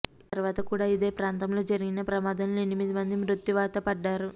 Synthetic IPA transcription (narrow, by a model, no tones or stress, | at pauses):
t̪ɐɾuʋaːt̪ɐkuːɽaːid̪e̞ːpɾaːnt̪ɐmlo̞ːd͡ʒɐɾiɡinɐpɾɐmaːd̪ɐnloe̞nimid̪imɐnd̪imɾut̪ːiʋaːt̪ɐpɐɖːaːɾu